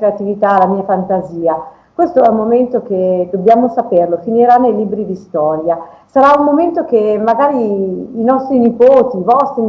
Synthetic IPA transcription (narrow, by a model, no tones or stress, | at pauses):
ɾeat̪ivit̪aːlamiːafant̪aziːa | kwest̪oɛumːoment̪ok̟ed̪objaːmosaperlofiniɾanːejliːbɾid̪ist̪ɔɾja | saɾaummoment̪ok̟emːaɡaːɾiːnɔst̪ɾinipoːt̪ivɔst̪ɾin